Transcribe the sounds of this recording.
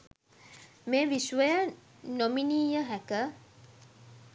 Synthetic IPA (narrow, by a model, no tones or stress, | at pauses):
meːʋiʃʋəjə | nominiːjəɦækə